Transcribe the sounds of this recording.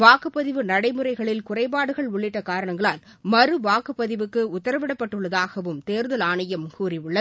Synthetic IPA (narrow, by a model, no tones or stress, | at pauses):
ʋaːkɯpːɐðɪʋɯnɐɽɐɪmɯɾɐɪɣɐɭɪlkʊrɐɪpaːɽɯɣɐɭʊɭːɪʈːɐkaːɾɐɳɐŋɡɐɭaːl | mɐɾɯʋaːkɯpːɐðɪʋɯkːɯʊt̪ːɐɾɐʋɪɽɐpːɐʈːɯɭːɐðaːɣɐʋɯmt̪eːɾðɐlaːɳɐjɐmkuːriɯɭːɐ